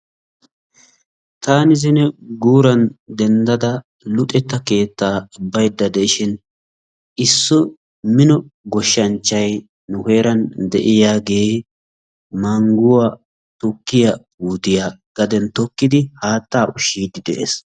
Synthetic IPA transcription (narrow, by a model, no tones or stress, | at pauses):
t̪aːnɪzɪnɛɡuːɾɐnd̪ɛnd̪ɐd̪ɐ | lʊt̪ʼɛt̪ːɐke̞ːt̪ːaːʊbːɐjd̪ːɐd̪ɛʔɪʃɪn | ɪsːɔ | mɪnɔɡɔʃːɐnt͡ʃːɐj | nʊhe̞ːɾɐnd̪ɛʔɪjaːɡe̞ː | maŋɡʊwa | t̪ʊkːɪjɐbuːt̪ɪjaːɡ̥ɐd̪ɛnt̪ɔkːɪd̪ɪhaːt̪ːaːʔʊʃiːd̪ɪd̪ɛʔḛs